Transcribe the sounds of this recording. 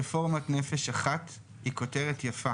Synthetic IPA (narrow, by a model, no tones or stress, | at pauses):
efo̞ʁmatnefeʃaχat̪ | hiko̞teʁetjafa